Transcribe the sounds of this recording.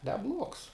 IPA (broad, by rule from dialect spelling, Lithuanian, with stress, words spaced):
nʲɛˈblˠuɔks